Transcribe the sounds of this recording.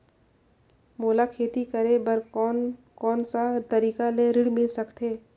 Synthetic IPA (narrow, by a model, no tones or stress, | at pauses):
moːlakʰeːt̪ikəɾebəɾ | kɔːnsat̪ɐɾiːkaleɾɪɽmɪlsɐkt̪eː